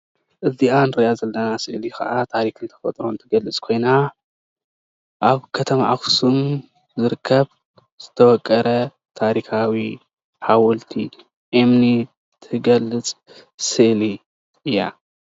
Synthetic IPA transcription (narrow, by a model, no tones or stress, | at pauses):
ʔɨzianɾɐjazɐlːɐnasɨʔlixɐ̰ʔat̪ʰaɾikɨnt̪ʰɐ̥fɐt̪ʼɾo̞nt̪ʰɨɡɐlːɨt͡sʼkʰo̞jna | ʔaβkʰɐt̪ʰɐma̰ʔaxsum | zɨɾɨkʰːɐβ | z̥ɨt̪ʰɐwɔkʼːɐɾɐ | t̪ʰaɾixawi | ħawɔlt̪ʰi | ʔemni | t̪ʰɨɡɐlːɨt͡sʼ | sɨʔli | ɨjːa̰